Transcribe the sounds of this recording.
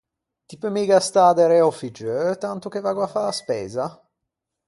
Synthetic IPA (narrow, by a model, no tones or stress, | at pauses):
t̪ipəmiɡast̪ad̪eɾɛɔfid͡ʒøt̪ant̪ok̟evaɡwafaaspɛ̰ːza